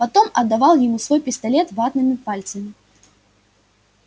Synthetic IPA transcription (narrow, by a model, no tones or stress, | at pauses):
pat̪ɔmɐd̪ːavaw̪ˠjimusvɔjpʲist̪alʲɛt̪vad̪nɨmʲipalʲt̪sɐmʲi